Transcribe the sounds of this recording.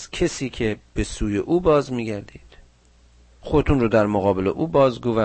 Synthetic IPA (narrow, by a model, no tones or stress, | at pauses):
cʰesiːcʰe̞b̥e̞suːje̞ʔuːbɒːzmiːɟæɾd̪iːd̪̥ | xod̪et̪unrod̪æɾmoɣɒːbe̞le̞̰ʔuːbɒːzɡo̞væ